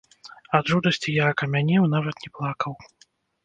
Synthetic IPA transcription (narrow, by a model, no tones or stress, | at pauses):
ɐd̪ʐud̪ɐsʲt͡sʲijakɐmʲanʲɛwnavɐt̪nʲɛplˠakɐw